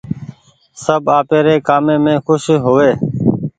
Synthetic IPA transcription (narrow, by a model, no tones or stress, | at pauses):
səbaːpeːɾeːkaːmẽːmẽːxʊʃɦoːʋeː